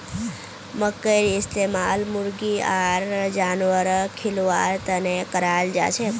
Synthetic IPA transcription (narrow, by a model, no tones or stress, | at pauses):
məkːəɾɪst̪emaːlmuɾɡiaɾd͡ʒanʋəɾkʰilʋaɾt̪ənekəɾald͡ʒa̰t͡ʃʰe